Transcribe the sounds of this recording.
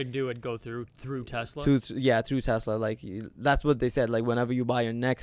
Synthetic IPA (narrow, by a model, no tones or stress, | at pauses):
ɨdɨɨ̃n̚ɡoʊθɹʉθɹʉtʰɛslɹʉθjæθɹʉtʰɛslə˞laɪkðætswʌt̪̚ðeɪsɛdlaɪkwə̃ɾ̃ɛvə˞jɨbaɪjə˞nɛks